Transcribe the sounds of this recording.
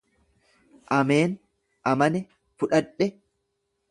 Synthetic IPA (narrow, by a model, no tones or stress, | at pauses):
ʔɐme̞ːn | ʔɐmɐnɛ | fʊᶑɐᶑɛ